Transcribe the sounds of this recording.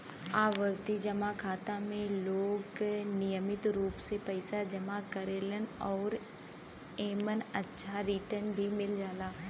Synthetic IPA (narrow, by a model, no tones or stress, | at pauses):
aːʋəɾt̪id͡ʒɐmakʰaːt̪ãmẽloːɡnijəmɪt̪ɾuːpsepɐɪsad͡ʒɐmakɐɾeːlənɔːɾ | eːmənɐtːʃʰaɾiːʈənbʱimɪld͡ʒaːlaː